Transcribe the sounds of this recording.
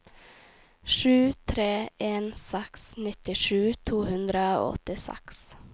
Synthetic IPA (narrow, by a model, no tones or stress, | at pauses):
ʃʉːt̪ʰɾeːeːnsɛksnɪt̪ɪʃʉːt̪ʰuːhʉnd̪ɾəo̰ːɔ̰t̪ɪsɛ̰ks